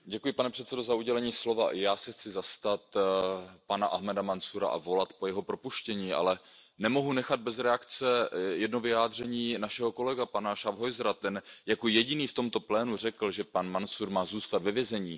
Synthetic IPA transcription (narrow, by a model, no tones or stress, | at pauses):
ɟɛkujɪpanɛpr̥ɛt̪sɛdo̞zauɟɛlɛɲiːslo̞vaʔɪjaːsɛxt͡sɪzast̪at̪ | panaʔaɦmɛdamansuɾa̰ʔa̰vo̞lat̪pojɛɦo̞pɾo̞puʃcɛɲiːʔa̰lɛ | nɛmo̞ɦunɛxad̪̚bɛzɾɛakt͡sɛjɛdnovɪaːd̪r̝ɛɲiːnaʃɛɦo̞ko̞lɛɡapanaʃavɦojzɾat̪ɛnjakojɛɟɪniːft̪o̞mt̪o̞plɛːnur̝ɛkl̩ʒɛpanmansuɾmaːzuːst̪at̪vɛvjɛzɛɲiː